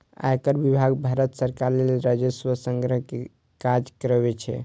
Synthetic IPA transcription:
a̰jkəɾbibʱaɡbʱaɾət̪səɾkaɾlelɾad͡ʒəswəsəŋɡɾəɦke | kad͡ʒkəɾəbet͡ʃʰɛ̰

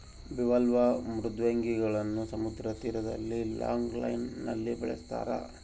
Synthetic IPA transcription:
biʋɐlʋɐmɾud̪ʋeŋɡiɡɐɭɐnːusɐmud̪ɾɐt̪iːɾɐd̪ɐ̰lːila̰ːŋɡlɐ̰jnːɐ̰lːibɛɭɛst̪a̰ːɾɐ̰

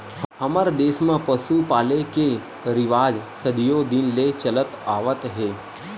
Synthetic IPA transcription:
həməɾd̪eːsmãpəsupaːleke | ɾɪʋaːd͡ʒsəd̪ijod̪inlet͡ʃələt̪aːʋət̪ɦe

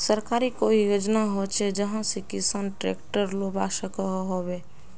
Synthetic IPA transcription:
səɾkaːɾikoijod͡ʒnaɦot͡ʃʰɛd͡ʒəɦãsekɪsanʈɾḛːkʈəɾlobaʃəkəɦobe

